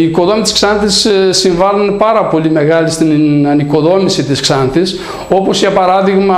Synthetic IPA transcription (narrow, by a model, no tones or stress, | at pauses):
iːko̞ðo̞mit̪i̥sksɐnθissːiɱvɐlunpɐɾɐpo̞lime̞ɣɐlist̪inɐniko̞ðo̞misit̪isksɐnθis | o̞po̞sʝɐpɐɾɐðiɣmɐ